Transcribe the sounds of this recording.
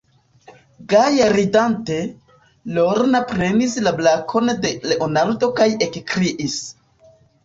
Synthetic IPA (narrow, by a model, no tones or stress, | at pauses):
ɡajaɾidante̞ | lo̞ɾnapɾe̞nislablakʰo̞nde̞le̞ʔo̞naldo̞kaje̞kkɾiʔis